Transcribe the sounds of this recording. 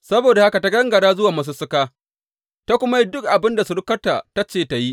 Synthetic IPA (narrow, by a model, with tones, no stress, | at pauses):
sɐ˦boː˨da˨ha˦ka˨ta˦ɡɐ˦ŋɡɐ˨ɽaː˦zʊ˦waː˨ma˦s̬u˦sʊ˦kaː˦ | ta˦kʷʊ˦ma˦ji˦dʊ˦kʔa˨bɪ˦nda˨su˨ɽʊ˦kɐ˦ta̰˨ta˦t͡ʃeː˦˨ta˨ji˦ʔ